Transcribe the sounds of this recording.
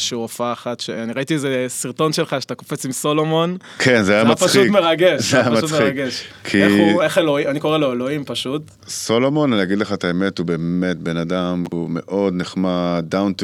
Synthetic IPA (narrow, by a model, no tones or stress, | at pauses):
ʃuofaːχatʃeaniʁaitiezesiʁto̞nʃelχaʃeatakofet͡simso̞lomo̞n | kʰenzeajamat͡spaχʃumeʁaɡeʃzeajamaumeiaɡeʃkʰieueχeloianiko̞ʁeloeloimpaʃut̪ | solomo̞nanijaɡid̪leχaet̪aemethube̞emet̪̚benadamume̞̰ʔo̞d̪neχmad̪awnt̪